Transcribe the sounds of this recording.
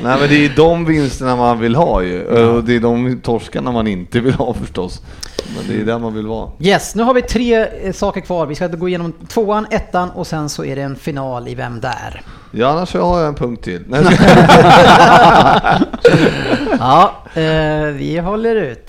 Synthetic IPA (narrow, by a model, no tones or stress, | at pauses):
nɛɪmɛnd̪ɛd̪ɔmvɪnst̪əɳamanvɪlɦɑːjɵ̰d̪ɛːd̪ɔmt̪ʰɔʂkanamanɪnt̪əvɪlhɑːfœʂʈɔs | mɛ̰nd̪ɛ̰jd̪æɾmanvɪlvɑ̰ːjɛsnʉ̟ːɦaɾvɪt̪ʰɾeːsɑːkəɾkʰvɑːɾvɪskaɡoːɪjeːnɔmt̪ʰvoːanɛt̪ːanɔsɛnsɔæ̰ɖɛːnfɪnɑːlɪvɛ̰md̪æ̰ɾ | jɑːanːaʂɔhaːɾjaɛnpʰɵŋk̚t̪ʰːɪlnɛ | ɑː | vɪ̰ɦɔlːəɾʉ̟ːt̪